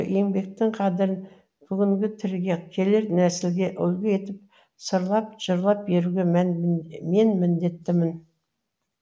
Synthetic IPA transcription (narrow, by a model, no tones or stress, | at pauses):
e̞ŋbe̞k̚t̪ɪŋqʰɑd̪ɪɾɪn | b̥ʏɡʲɪŋɡʲɪt̪ʰɪɾɡʲe̞kʲʰe̞leɾnæsɪlɡʲe̞ʔʏlɡʲeje̞t̪ɪp̚ | səɾlˠɑp̚ʒ̥əɾlˠɑp̚be̞ɾuɡʲe̞mænme̞nmɪnd̪e̞t̪ːɪmɪn